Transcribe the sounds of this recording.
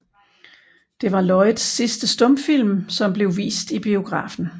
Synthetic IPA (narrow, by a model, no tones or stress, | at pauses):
d̥e̝ʋɑ̈lɒ̽ɪðˠsːisd̥əsd̥ɔ̽mfil̰msɒ̽mb̥le̝ʊʋḭːsd̥ib̥io̝ɡ̥ʁɑ̰̈ːfn̩